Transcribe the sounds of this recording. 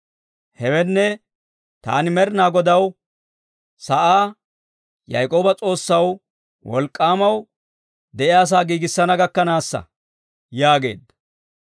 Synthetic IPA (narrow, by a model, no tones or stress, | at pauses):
hɛwɛnːɛ | t̪a̰ːnɪmɛɾnaːɡɔd̪ɐw | sɐʔaː | jɐ̰jkʼo̞ːbɐt͡sʼo̞ːsːɐw | wɔ̰lkʼːaːmɐw | d̪ɛʔɪaːs̬aːɡiːɡɪsːɐnɐɡɐkːɐnaːsːɐ̰ | jaːɡe̞̰ːd̪ɐ